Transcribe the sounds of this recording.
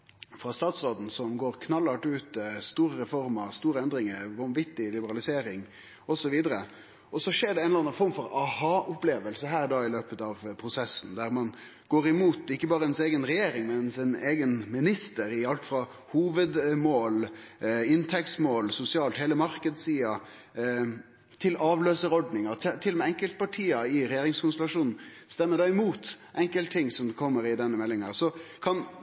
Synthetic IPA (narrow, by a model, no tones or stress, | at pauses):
fɾɑst̪ɑːt̪sɾoːd̪n̩sɔmɡoːɾkʰnɑlːɑʈʉːt̪st̪uːɾəɾɛfɔɾmɑst̪uːɾəɛnd̪ɾɪŋəɾʋɑnʋɪt̪ːɪlɪbəɾɑlɪseːɾɪŋ | ɔsɔʋiːd̪əɾə | ɔsɔʂeːɾɖɛɛnɑnɑnfɔɾmfɔɾɑhɑːʔʊpleːʋəlsəɦæːɾd̪ɑːɪløːpət̪ɑʋpʰɾʊsɛsːn̩d̪æɾmɑn | ɡ̥oːɾɪmuːt̪ɪkːəbɑːɾəɛnseːɡənɾɛjeːɾɪŋmɛnsɪneːɡənmɪnɪst̪əɾɪɑlt̪fɾɑ | huːʋəd̪moːl | ɪnt̪ʰɛkt̪smoːlsʊsɪɑːlt̪heːləmɑɾkəd̪siːɑ | t̪ʰɪlɑːʋløːsəɾɔɖnɪŋɑɾt̪ʰt̪ʰɪlːmɛɛŋkəlt̪̚pʰɑʈʰiːɑɪɾɛjeːɾɪŋskʊnsəlɑʂuːnn̩st̪ɛmːəd̪ɑːɪmuːt̪ʔɛŋkəlt̪t̪ʰːɪŋsɔmkʰɔmːəɾɪd̪ɛnːəmɛlːɪŋɑʁsɔkʰɑn